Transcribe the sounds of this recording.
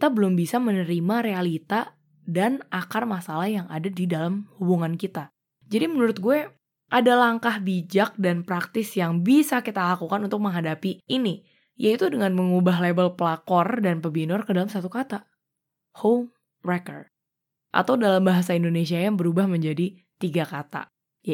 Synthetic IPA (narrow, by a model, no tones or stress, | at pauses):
ki̥t̪abəlʊmbisamənəɾimaɾealit̪a | danakarmasalahjaŋadadidalamhubuŋankit̪a | d͡ʒadimənuɾʊt̪̚ɡuɛ | ʔadalaŋkahbid͡ʒak̚danpɾak̚t̪ɪsjaŋbisakit̪alakukanunt̪ʊk̚məŋɦadapiʔini | jait̪udəŋanməŋubaɦlebəlpəlakɔrdanpəbinɔrkədalamsat̪ukat̪a | hom | rɛkɔ̰r | ʔa̰t̪awdalambaɦas̬aindonesiajaŋbəɾubahməɲd͡ʒadi | t̪iɡakat̪a̰ | ja